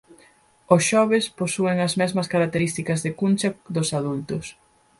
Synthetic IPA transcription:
osʃɔβesposueŋɐzmɛzmɐskaɾak̚t̪eɾist̪ikɐzðekunt͡ʃɐðʊsaðult̪ʊs

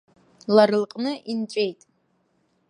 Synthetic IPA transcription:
laɾɨlqʼnɨʔint͡ʃʷʼe̞jtʼ

